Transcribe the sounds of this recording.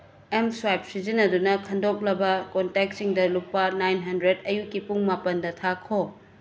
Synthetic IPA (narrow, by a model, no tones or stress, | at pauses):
emswajp̚sid͡ʒinɐdunɐkʰɐndok̚lɐbɐkontek̚siŋdɐlupːɐnajnɦɐndɾedɐjukːipuŋmapɐndɐtʰakʰo